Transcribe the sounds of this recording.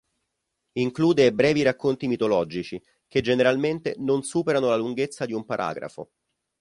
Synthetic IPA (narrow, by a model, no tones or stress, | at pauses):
iŋkluːd̪ebɾɛːviɾakːont̪imit̪olɔːd͡ʒit͡ʃi | ked͡ʒeneɾalment̪enonsuːpeɾanolaluŋɡet̪sːad̪iumpaɾʔa̰ːɡɾa̰fo̰